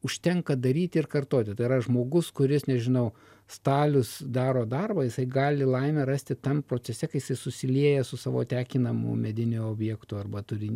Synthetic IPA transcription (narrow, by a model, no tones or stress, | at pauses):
ʊʃʲt̪ʲɛŋkɐd̪ɐɾʲiːt̪ʲɪrkɐrt̪oːt̪ʲɪt̪ɐɪɪɾɐʒmoːɡʊskʊɾʲɪsnʲɛʒʲɪnɐʊ | st̪ɑːlʲʊsd̪ɑːɾoːd̪ɐrbɐjɪsɐɪɡɑːlʲɪlˠɐɪmʲɛɾɑːsʲt̪ʲɪt̪ɐmpɾoːt͡sʲɛsʲɛkɐɪjɪsɐɪsʊsʲɪlʲiɛjɛsʊsɑːʋo̰ːt̪ʲæːkʲɪnɐmʊ̰mʲɛd̪ʲɪnʲʊoːbʲjɛkt̪ʊɐrbɐt̪ʊɾʲɪ